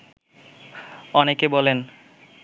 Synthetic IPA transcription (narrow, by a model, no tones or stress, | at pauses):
ɔnekebɔlen